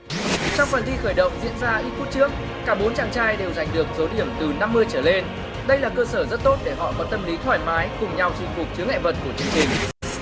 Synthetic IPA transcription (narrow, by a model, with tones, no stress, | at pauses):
t͡ɕɔ˧wŋ͡mfə˨˩nt̪i˧xəː˧˩jɗə̰˧˨wŋ͡mzḭ˧˨ənzaː˧ʔi˦˥t̚fu˦˥t̚t͡ɕɨ˦˥ək̚ːaː˧˩ɓo˨˦nt͡ɕaː˧˩ŋt͡ɕaː˧jɗe˨˩wza˨˩jŋ̟ɗɨ˨˩ək̚zo˨˦ɗi˧˩əmt̪ɨ˨˩na˧mːɨ˧əjt͡ɕəː˧˩le˧n | ɗə˧jlaː˨˩kəː˧səː˧˩zə˦˥t̚t̪o˦˥t̚ɗe˧˩ɦɔ̰˧˨kɔ˨˦t̚t̪ə˧mli˨˦t̪ʰwaː˧˩jmaː˨˦jkʊ˨˩ŋ͡mɲa˧wt͡ɕi˨˧˩ŋfʊ˨˩k͡p̚t͡ɕɨ˨˦ŋɛ̰˧˨və˨˩t̚ku˧˩ət͡ɕɨ˧˩əŋt͡ɕï˨˩ŋ̟